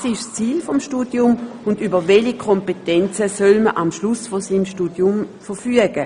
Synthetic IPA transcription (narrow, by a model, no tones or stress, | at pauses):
sɪʃst͡siːlfɔmʃtuːdjʊmʊndybɐʋɛlikʰɔmpetɛnt͡səsœlməʔamʃlusfosiːmʃtuːdjʊmfəʁfyəɡ̥ə